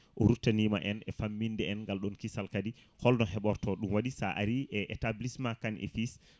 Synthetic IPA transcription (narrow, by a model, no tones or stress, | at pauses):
ʔɔɾutːanima̰ʔɛnɛfamːindɛɛnŋɡalɗɔnkisalkadihɔlnɔhɛɓɔɾtɔɗumwaɗisaʔaɾiʔɛʔɛtablismakanʔɛ̰fis